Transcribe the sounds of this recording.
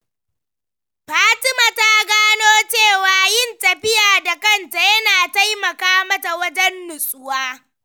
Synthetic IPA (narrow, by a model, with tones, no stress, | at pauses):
ɸaː˦tɪ˦maː˨ta˦ɡaː˦noː˦t͡ʃeː˦˨waː˨jɪ˦˨ntɐ˨ɸɪ˦jaː˨da˨kɐ˦˨nta˨jɐ˦naː˨ta˦jmɐ˨kaː˦mɐ˦ta˨wɐ˦d͡ʒɛ˦nːʊ˨sʼʊ˦waː˦